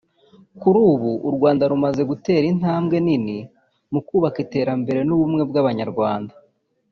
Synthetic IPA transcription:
kuɾuːβuʔːɾɡwaːndaɾumaze̞ɡute̞ːɾin̥haːmɡe̞nini | mukuːβakite̞ːɾambe̞ɾe̞nuβumŋe̞bɡaβaɲaɾɡwaːnda

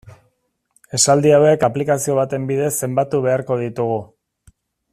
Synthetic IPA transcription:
e̞sald̪iawe̞kaplikasio̞β̞at̪e̞mbiðe̞sːe̞mbat̪uβe̞aɾko̞ð̞it̪uɣu

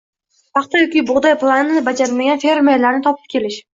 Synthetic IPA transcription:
pʰɑχt̪ajɒkʲibʊʁd̪ajplˠanːbad͡ʒaɾɪlmaɡʲanfe̞ɾmeɾlaɾnɪt̪ʰɒpʰɪ̥p̚kʲʰe̞lɪʃ

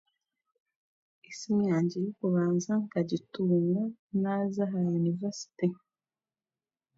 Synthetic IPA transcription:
isimɲaːɲɟiɾikuβaːnzaŋkaɟituŋɡanazaɦajunivesi̥ti

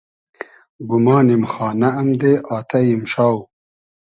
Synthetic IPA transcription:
bumɑːnimxɑːnaːmd̪eʔɑːt̪ɐjimɕaːw

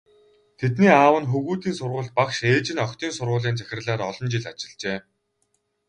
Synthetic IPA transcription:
t̪ʰet̪niːaːwə̆nxuɣuːt̪iːnsʊrʁʊ̆ɮt̪̚pakʃeːt͡ɕɪ̆nɔkʲt̪ʰiːnsʊrʁʊːɮiːnt͡sæxʲɪ̆rɮaːɾɔɮɞ̆nt͡ɕiɮat͡ɕɪ̆ɮt͡ɕeː

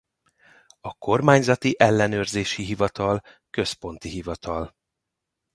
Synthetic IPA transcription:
ɒko̞rmaːɲzɒt̪iʔɛlːɛn̪øːrzeːʃiɦivɒt̪ɒlkø̞spo̞n̪t̪iɦivɒt̪ʰɒl

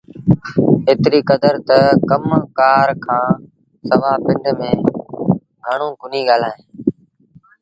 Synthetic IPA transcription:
eːt̪ɾiːkəd̪əɾt̪əkəmkaːɾkʰãː | səʋaːpɪɳɖʱmẽː | ɡʱəɳ̃õːkʊniːɡaːlaːɦẽː

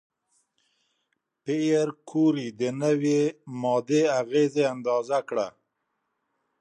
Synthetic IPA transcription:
pejaɾkʰuɾid̪ənəwemɔd̪eaɣezeand̪ɑzakɽa̰

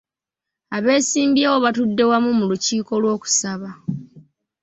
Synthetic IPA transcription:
aβe̞ːsiːmbiewoβatudːe̞wamumuluciːko̞lwo̞ːku̥saβa

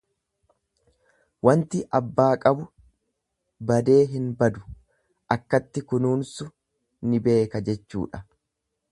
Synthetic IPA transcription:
wɐnt̪ɪʔɐbːaːkʼɐbʊ | bɐd̪e̞ːɦɪnbɐd̪ʊ | ʔɐkːɐt̪ːɪkʊnuːnsʊ | nɪbe̞ːkɐd͡ʒɛt͡ʃːṵːᶑɐ̥

